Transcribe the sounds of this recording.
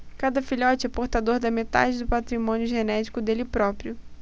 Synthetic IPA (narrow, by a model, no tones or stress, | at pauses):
kad̪ɐfiʎɔt͡ʃɪɛpoɾt̪ad̪oɾd̪ɐmet̪a̰d͡ʒɪd̪ʊpat̪ɾimõnjʊʒenɛt͡ʃi̥kʊd̪elɪpɾɔpɾijʊ